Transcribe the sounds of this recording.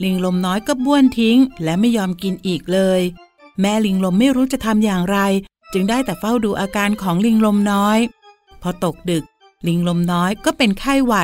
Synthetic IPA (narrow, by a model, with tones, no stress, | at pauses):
li˧ŋlo˧mnɔː˦˥jkɔː˥˩bu˥˩ənt̪ʰi˦˥ŋlɛː˦˥wma˥˩jːɔː˧mki˧nʔiː˨˩k̚lɤː˧j | mɛː˦˥li˧ŋlo˧mːa˥˩jɾuː˦˥t͡ɕa˨˩t̪ʰa˧mjaː˨˩ŋɾa˧j | t͡ɕɯ˧ŋdaː˥˩jt̪ɛː˨˩fa˥˩wduː˧ʔaː˧kaː˧nkʰɔː˩˦ŋli˧ŋlo˧mnɔː˦˥j | pʰɔː˧t̪o˨˩k̚dɯ˨˩k̚ | li˧ŋlo˧mnɔː˦˥jkɔː˥˩pe˧nkʰa˥˩jwa˨˩